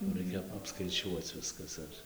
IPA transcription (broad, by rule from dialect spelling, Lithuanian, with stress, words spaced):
jɛʊ ˈrɐɪkʲɛ ɐpskɐɪˈt͡ʃʲuɔt͡s ˈʋʲɪskɐs ɐr